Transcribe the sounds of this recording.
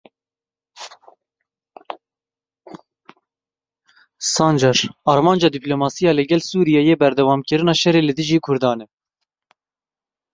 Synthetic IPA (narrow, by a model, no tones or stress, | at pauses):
sɑːnd͡ʒɑɾɑːɾmɑːnd͡ʒɑːd̪iplomɑːsijɑːlɨɡʲɛlsuːɾijɛjeːbɛɾd̪ɛwɑːmkɨɾɨnɑːʃɛɾeːlɨd̪ɨʒiːkʰʊɾd̪ɑːnɛ